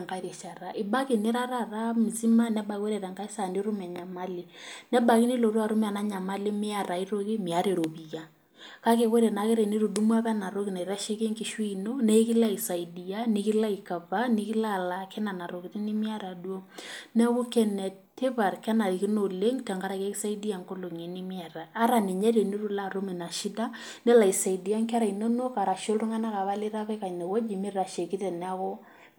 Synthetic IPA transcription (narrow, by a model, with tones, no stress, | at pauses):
ŋɡa˦ɾe˨ʃa˨ɾa˨ʔɪ˨ba˦ki˨nɪ˦ɾa˦ɾa˦ra˦mi˨t͡si˦ma˦nɛ˦ba˨˦we˦ɾɛ˨ɾa˨ŋɡa˦i˦sa˨ni˦ɾʊ˦mɛ˨ɲa˨ma˦lɪ˨nɛ˦ba˨ki˦ni˦lo˨ɾu˦a˨ɾu˦mɛ˦a˨na˦ɲa˨ma˦lɪ˦mɪ˦a˦ɾa˨i˦ɾo˦ki˦mɪ˨a˦ɾe˨ɾo˨bi˨ja˨ | ka˦ke˨ke˦ɾe˨na˨ke˦ɾe˨ni˦ɾu˨du˦mwa˦βɛ˦na˨ɾo˦ki˨na˨i˨ɾa˦ʃe˦ke˦ŋkɪ˨˦ʃwi˦i˨no˦nɛ˦i˦kɪ˦la˦i˨sa˨i˨di˨ja˦nɪ˦ki˦la˦i˨ka˨va˦nɪ˦ki˦la˦˨la˦kɛ˦na˨na˨ɾo˨kɪ˨tɪ˦nɪ˦mɪ˦a˦ɾa˨du˦o˦nɛ˦ku˦kɛ˦nɛ˨ | tːe˦βa˨rka˦na˨ɾi˨ki˦no˨le˦ŋtɛ˨ŋɡa˦ɾa˨kɛ˦ki˦sa˦idi˦a˨ŋko˦lo˨ŋe˨ni˦mɪ˦a˨ɾaː˨˦ɾa˨ni˨ɲɛ˦ɾe˨ni˦ɾu˨la˦˨ɾo˦me˨na˨ʃi˦da˦ | nɛ˦la˨i˨sa˨i˨di˨a˦ŋka˦ɾa˨i˨no˦no˦ka˨ɾa˨ʃo˦lru˦ŋa˦na˦ka˨βa˦lɪ˦ɾa˦βɛ˦ka˨nɛ˨wɔ˦d͡ʒi˨mɪ˦ra˨ʃe˨ki˦tɛ˨na˦kɔ˦